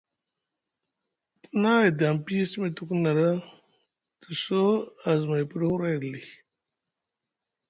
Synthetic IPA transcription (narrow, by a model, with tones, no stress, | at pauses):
tə˦na˦i˨da˨m˨pi˦si˦mi˨tu˦ku˦na˨ɾa˦ | tə˨so˦a˨zma˨i˨pə˦ɾhu˦ɾa˦i˨li˨